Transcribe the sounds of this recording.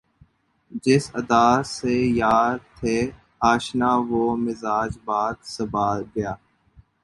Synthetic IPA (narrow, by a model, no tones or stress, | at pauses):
d͡ʒɪsəd̪aːseːjaːɾ̚t̪ʰeː | ɦaːʃnaːʋoːmɪzaːd͡ʒbaːd̪səbaːɡəjaː